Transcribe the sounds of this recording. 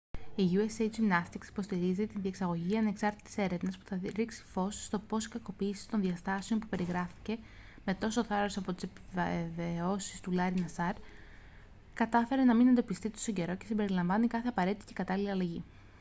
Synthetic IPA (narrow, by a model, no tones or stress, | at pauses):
iʝuesejt͡ʃinɐst̪iksi̥po̞st̪iɾizit̪inðie̞ksɐɣo̞ʝiɐne̞ksɐɾt̪i̥t̪i̥se̞ɾe̞vnɐspu̥θɐɾiksi̥fo̞sst̪o̞po̞si̥kɐko̞piːsi̥t̪o̞nðiɐst̪ɐseo̞npupe̞ɾiɣɾɐfi̥ce̞ | me̞t̪o̞so̞θɐɾɐsɐpo̞t̪i̥sepiveveo̞sist̪ulɐɾinɐsɐɾ | kɐt̪ɐfe̞ɾe̞nɐminend̪o̞pist̪it̪osoɟe̞ɾo̞ce̞simbe̞ɾilɐɱvɐnikɐθe̞ɐpɐɾe̞t̪it̪i̥ce̞kɐt̪ɐliliɐlɐʝi